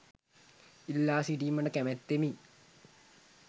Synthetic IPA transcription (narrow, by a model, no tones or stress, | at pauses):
ilːaːsiʈimɐɳɖɐkemet̪ːemi